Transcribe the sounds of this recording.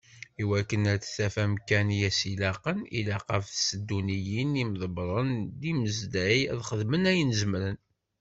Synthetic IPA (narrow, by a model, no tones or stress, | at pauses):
iwækːənæɾt͡sθæfæmkænjæsilɑqənḭlæqɑfsəd̪ːunijinimðˤəbɾˤənd̪iməzd̪æjæðχəðmənæjənzəmɾən